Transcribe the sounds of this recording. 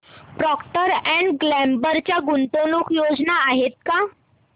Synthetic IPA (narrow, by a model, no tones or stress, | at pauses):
pɾɔkʈəɾɛ̃ɳɖɡlɛmbəɾt͡ɕjaɡunt̪onukʰjod͡znaːɦet̪̚ka